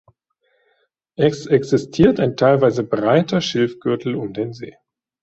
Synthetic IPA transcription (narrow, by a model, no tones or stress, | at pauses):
ʔɛsʔɛksɪstʰiːɐtaɪntʰaɪlvaɪzəbʁaɪtɐʃɪlfɡ̥ʏɐtʰl̩ʊmdeːnzḛː